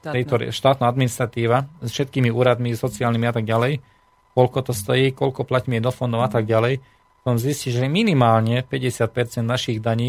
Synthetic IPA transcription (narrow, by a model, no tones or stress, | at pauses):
t̪ɛjt̪ɔɾ̰ʃt̪aːt̪naːad̪minist̪ɾat̪iːʋasfʃɛt̪̚kiːmiuːɾad̪misɔt͡siaːlnimiat̪aɡalɛj | kɔʎkɔt̪ɔst̪ɔjiːkɔʎkɔplacmiɛd̪ɔfɔnd̪ɔʊat̪aɡɟalɛj | pɔ̥t̪ɔmzisciʒɛminimaːlɲɛpɛɟɛsɪat̪̚pɛɾt͡sɛnd̪naʃiɣd̪aɲiː